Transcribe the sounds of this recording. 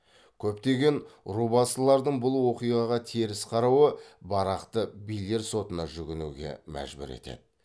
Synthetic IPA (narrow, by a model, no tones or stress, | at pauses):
kʲʰɵpt̪e̞ɡʲe̞nɾubɑsəlˠɑɾd̪əɴbʊlˠwo̞qijʁɑʁɑt̪ʰeɾɪsqʰɑɾɑwəbɑɾɑqt̪əbijle̞ɾso̞t̪ənɑʒʏɡʲɪnuɡʲe̞̰mæ̰ʒbʏ̰ɾe̞̰t̪e̞̰d̪ɪ